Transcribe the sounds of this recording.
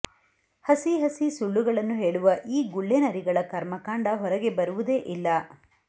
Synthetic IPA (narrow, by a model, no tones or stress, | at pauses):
hɐsiɦɐsisuɭːuɡɐɭɐnːuɦe̞ːɭuʋɐʔiːɡuɭːenɐɾiɡɐɭɐkɐɾmɐkaːɳɖɐɦɔɾɐɡe̞bɐɾuʋud̪e̞ːʔilːɐ